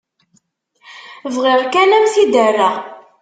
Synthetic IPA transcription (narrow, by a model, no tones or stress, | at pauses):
vʁɪʁkænæmθid̪ərːa